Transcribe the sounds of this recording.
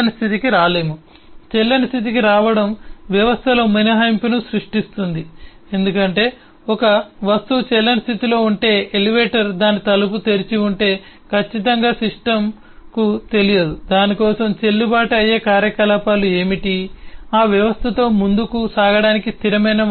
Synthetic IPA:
ɐnist̪ʰit̪ikiɾaːle̞ːmu | t͡ʃɛlːɐnist̪ʰit̪̬ikiɾaːʋɐɽɐmʋjɐʋɐst̪ʰɐlo̞ːminɐɦɐjmpinusɾuʂʈist̪und̪i | e̞nd̪ukɐɳʈe̞ː | ɔkɐʋɐst̪ut͡ʃɛlːɐnist̪ʰit̪ilo̞ːuɳʈe̞ːeliʋeːʈɐɾd̪aːnːit̪ɐluput̪e̞ɾit͡ʃiuɳʈe̞ː | kʰɐt͡ʃːit̪ɐŋɡaːsiʂʈɐm | kut̪e̞lijɐd̪ud̪aːnikɔːsɐmt͡ʃelːubaːʈɐɐjːeːkaːɾjɐkɐlaːpaːlue̞ːmiʈiaːʋjɐʋɐst̪ʰɐt̪o̞ːmund̪ukusaːɡɐɽaːnikist̪ʰiɾɐmɐjnɐ

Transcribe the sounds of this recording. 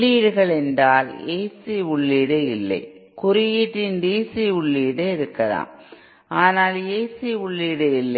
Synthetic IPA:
iːɽɯɣɐɭɛndraːleːsiʊɭːiːɽɐɪlːɐ̰ɪ | kʊɾɪjɪʈrɪndiːsiʊɭːiːɽɯɪɾɯkːɐɾa̰ːm | aːnaːleːsiʊɭːiːɽɐɪlːɐ

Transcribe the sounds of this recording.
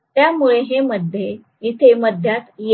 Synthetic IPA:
t̪jamuɭeɦeməd̪ʱːje | it̪ʰeməd̪ʱjat̪je

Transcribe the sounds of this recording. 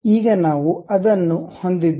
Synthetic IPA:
iːɡɐnaːʋuɐd̪ɐnːuho̞nd̪id̪

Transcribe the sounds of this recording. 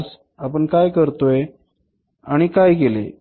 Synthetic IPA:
s | apəɳkajkəɾt̪oe | aɽ̃ikajɡelḛ

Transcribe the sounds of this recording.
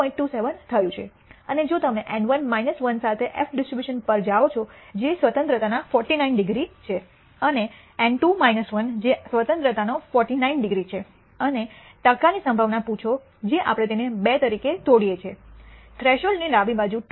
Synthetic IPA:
ɔ̃ĩɳʈːuseʋənt̪ʰəjũt͡ʃʰe | əned͡ʒot̪əmneʔɛ̃ɳɖʋənmainəsʋənsat̪ʰeʔɛfɖɪsʈɾibjuʃənpəɾd͡ʒaʋot͡ʃʰɔd͡ʒesʋət̪ənt̪ɾət̪anafɔɾʈinainɖɪɡɾit͡ʃʰe | əne | ɛɳɖʈumainəsʋənd͡ʒesʋət̪ə̃nt̪ɾət̪anofɔɾʈinainɖɪɡɾit͡ʃʰe | əne | ʈəkanisə̃mbʱaʋnaput͡ʃʰo | d͡ʒeʔa̰pɽ̃et̪enebet̪əɾiket̪oɽijet͡ʃʰet̪ʰɾeʃəlniɾaʋĩbad͡ʒũ

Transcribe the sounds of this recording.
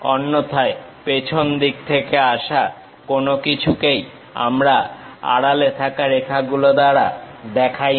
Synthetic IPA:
ɔnːot̪ʰae | pet͡ɕʰond̪ik̚t̪ʰekeaʃa | konokit͡ɕʰukej | a̰mɾaa̰ɽalet̪ʰakaɾekʰaɡulod̪aɽad̪ɛkʰaj

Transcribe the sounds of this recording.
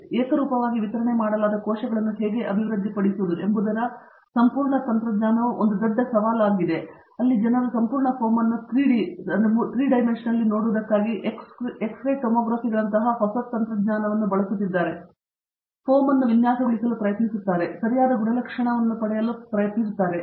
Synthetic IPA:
eːkɐɾuːpɐʋaːɡiʋit̪ɐɾɐɳe̞maːɽɐlaːd̪ɐkɔːʃɐɡɐɭɐnːuɦeːɡe̞ʔɐbʱiʋɾɐd̪ʱːipɐɽisiud̪uembud̪ɐɾɐ | sɐmpuːɾɳɐt̪ɐnt̪ɾɐd̪ɲaːnɐʋuʔond̪ud̪ɔɖːɐsɐʋaːlaːɡid̪e̞ | ɐlːid͡ʒɐnɐd̪ɐsɐmpuːɾɳɐpʰoːmɐnːut̪ɾiːɖinut̪ɾiːɖɐjmenʂɐnɐlːino̞ːɽuʋd̪ɐkːaːɡiʔkeksɾɐjʈomɔːɡɾaːfiɡɐɭɐnt̪ɐɦɐɦɔsɐt̪ɐnt̪ɾɐd̪ɲaːnɐʋɐnːubɐɭɐsut̪ːid̪ːaːɾe̞ | pʰoːmɐnːuʋinjaːsɐʋiɭisɐlupɾɐjɐt̪nisut̪ːaːɾe̞sɐɾijaːd̪ɐɡuɳɐlɐkʂɐɳɐʋɐnːupɐɽɛjɐlːupɾɐjɐt̪nisut̪ːaːɾe̞

